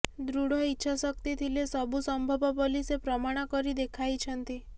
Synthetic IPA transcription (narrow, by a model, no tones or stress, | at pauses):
d̪ɾuɽ̤ɔitːʃʰasɔkt̪it̪ʰilesɔbʱusɔmbʱɔbɔpolisepɾɔmaɽ̃akɔɾid̪ekʰajt͡ʃʰənt̪i